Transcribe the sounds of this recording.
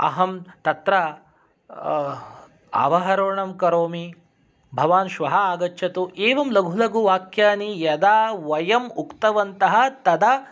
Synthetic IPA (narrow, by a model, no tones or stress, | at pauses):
ɐ̰ɦɐmt̪ɐt̪ɾɐ | ɐ̰ʋɐɦɐɾoːɳɐmkɐɾoːmi | bʱɐʋaːnʃʋɐɦɐaːɡɐt͡ʃːʃʰɐt̪uʔeːʋɐmlɐɡʱulɐɡuʋaːkjaːnijɐd̪aːʋɐjɐmukt̪ɐʋɐnt̪ɐɦɐ̆t̪ɐd̪ɐ